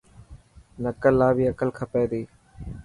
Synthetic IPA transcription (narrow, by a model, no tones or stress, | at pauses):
nəkəlːaːbiːəkəlkʰəpeːd̪iː